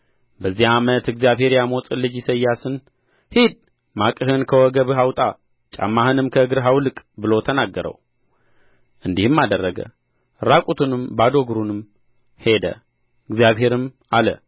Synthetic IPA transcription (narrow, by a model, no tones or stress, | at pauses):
bəzːiamət̪ɨɡzijaβhe̞ɾjamot͡sʼɨlːɨd͡ʒɪsəjːasɨn | hid̪̚ | makʼɨhɨnkʰəwɔɡəβɨɦawt̪ʼa | t͡ʃʼa̰mːahɨnɨmkʰəɨɡɨɾɦawlɨkʼbɨlo̞t̪ʰənaɡːəɾə̰w | ʔɨnd̪ihɨmːad̪ərːəɡə̰ | ɾakʼut̪ʰunɨmbad̪o̞ɡɾunɨm | he̞d̪ə̰ | ɨɡzjaβɦe̞ɾɨmʔalə̰